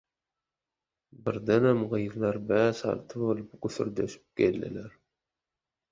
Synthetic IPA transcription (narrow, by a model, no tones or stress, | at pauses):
bɪɾd̪ænæmʁijɾlˠɑɾbæsɑ̰lt̪ʰɯbolˠəpɡuθʏ̰ɾd̪øʃɪ̥p̚kʲelːɪ̰læɾ